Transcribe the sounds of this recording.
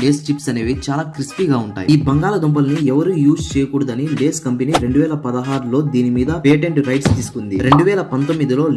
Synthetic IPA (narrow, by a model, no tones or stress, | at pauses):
leːst͡ʃipsɐneːʋit͡ʃaːlaːkɾispiːɡaːuɳʈa̰ːjiiːbɐŋɡaːlɐd̪ombɐlniɛʋɐɾuːjuːst͡ʃɛːjɐkuːɽɐd̪ɐnileːskɐmpeniɾe̞ɳɖuʋɛːlɐpɐd̪ɐɦaːɾulo̞ːd̪iːnimiːd̪ɐpeːʈe̞ɳʈɾɐjʈst̪iːsu̥kund̪iɾe̞ɳɖuʋɛːlɐpɐnt̪omːid̪ilo̞ː